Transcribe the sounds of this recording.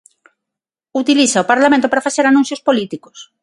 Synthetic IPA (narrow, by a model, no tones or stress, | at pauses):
ut̪iliθaopaɾlamẽnt̪opaɾafaθeɾanũn̟θjospolit̪iko̥s